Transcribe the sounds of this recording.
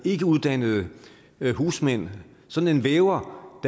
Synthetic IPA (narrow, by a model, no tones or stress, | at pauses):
e̝ɡ̥əuð̞ˠd̥æn̰əð̞̩ˠə | ɦuːsmen̰ | sɒ̽n̥n̩e̝nʋeːʊɐd̥